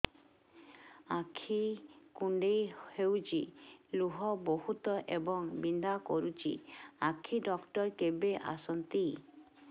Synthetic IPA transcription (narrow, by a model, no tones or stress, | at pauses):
akʰikuɳɖejhewt͡ʃiluɦɔboɦut̪ɔʔebɔŋbind̪akɔɾut͡ʃḭakʰiɖɔkʈɔɾkebeʔa̰sɔnt̪i